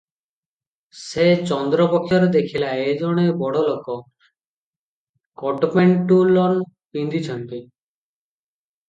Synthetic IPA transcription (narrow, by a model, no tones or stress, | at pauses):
set͡ʃɔnd̪ɾɔpɔkʰjɔɾed̪ekʰilaed͡ʒɔɽ̃ebɔɽɔlokɔ | kɔʈmeɳʈulɔn | pind̪ʱit͡ʃʰɔnt̪i